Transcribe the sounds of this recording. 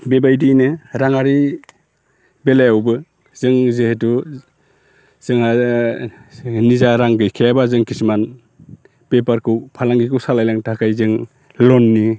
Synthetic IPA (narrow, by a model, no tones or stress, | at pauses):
bebajdinɯɾaŋaɾi | belajawbɯ | zɯŋzehetu | z̥ɯŋa | nizaɾaŋɡɯjkʰejabazɯŋkʰisman | pepaɾkʰɯwpʰalaŋɡikɯwsalajlaŋtʰakʰajzɯŋ | lɔnːi